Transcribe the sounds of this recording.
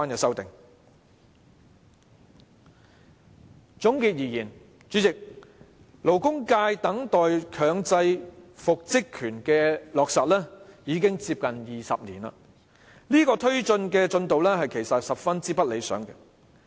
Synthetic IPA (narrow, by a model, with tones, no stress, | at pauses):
aː˥njɐ˨˩sɐ˥wt̪ɪ˨ŋ | t͡sʊ˨˥ŋkiː˨˧t̚jiː˨˩jiː˨˩n | t͡ʃyː˨˥t͡sɪ˨k̚ | lo˨˩wkʊ˥ŋkaː˧jt̪ɐ˨˥ŋt̪ɔː˨jkʰœː˨˧ŋt͡sɐ˧jfʊ˨k̚t͡sɪ˥kʰːyː˨˩nkɛː˧lɔː˨k̚sɐ˨t̚lɛː˥jiː˨˧˥k̬ɪ˥ŋt͡siː˧p̚kɐ˨njiː˨˩sɐ̰˨p̚niː˨˩nɐ̰ː˧ | liː˥kɔː˧t̪ʰɵ˥ɥt͡ʃɵ˧nkɛː˧t͡sɵ˧nt̪o˨wlɛː˥hɐ˨jkʰe˨˩jsɐ˨t̚sɐ˨p̚fɐ˥nt͡siː˥pɐ˥t̚le˨˧jsœ̰ː˨˥ŋkɛ˧